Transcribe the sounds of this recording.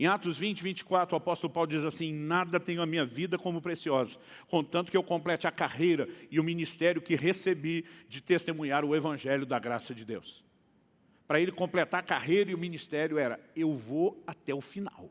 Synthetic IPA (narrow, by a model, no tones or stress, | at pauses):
ẽat̪ʊzvĩnt͡ʃɪvĩnt͡ʃɪ̥kwat̪ɾʊapɔst̪ʊlʊpawlʊd͡ʒizasĩnad̪ɐt̪ẽɲ̃ʊɐmĩɲɐvid̪ɐkõmʊpɾesiɔzɐ | kõt̪ɐ̃nt̪ʊ̥kɪewkõmplɛt͡ʃɪɐkahejɾɐɪʊmĩnist̪ɛɾjʊkɪɦesebid͡ʒɪt̪est̪emũɲaɾʊevɐ̃ʒɛljʊd̪ɐɡɾasɐd͡ʒɪd̪ḛws | pɾɐelɪkõmplet̪aɾɐkaɦejɾɐɪʊmĩnist̪ɛɾjʊɛɾɐ̰ewvoat̪ɛʊfina̰w